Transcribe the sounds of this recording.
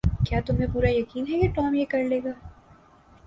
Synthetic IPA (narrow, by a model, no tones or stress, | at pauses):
kjaːt̪ʊmɦẽpuːɾajɐkiːnɦɛkeʈɔːmjekɐɾleːɡaː